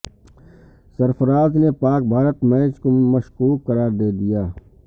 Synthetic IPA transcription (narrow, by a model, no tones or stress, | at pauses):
səɾfəɾaːznepaːk̚bʱaːɾət̪mɛːt͡ʃkoməʃkuːkːəɾaːɾd̪eːd̪ɪjaː